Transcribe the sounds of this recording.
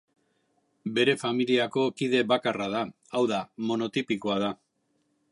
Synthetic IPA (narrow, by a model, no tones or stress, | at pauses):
be̞ɾe̞familiako̞kið̞e̞βakaraða | awðamo̞no̞t̪ipiko̞aða